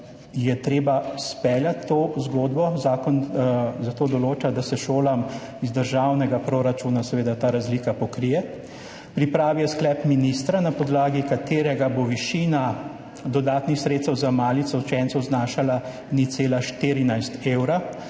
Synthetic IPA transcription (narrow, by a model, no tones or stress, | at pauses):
jɛt̪ɾeːbaspɛːljat̪ːoːzɡoːd̪bɔzaːkɔnzat̪oːd̪ɔloːt͡ʃad̪asɛʃoːlam | izd̪əɾʒawnɛɡapɾoɾat͡ʃuːnasɛʋeːd̪at̪aːɾazliːkapɔkɾijɛ | pɾipɾaːʋijɛsklɛpminist̪ɾanapɔd̪laːɡikat̪eːɾɛɡaboʋiʃiːna | d̪ɔd̪aːt̪nixsɾeːt̪st̪ɛwzamaːlit̪sɔwt͡ʃɛnsɔwznaːʃala | niseːlaʃt̪iɾinajst̪eːwɾa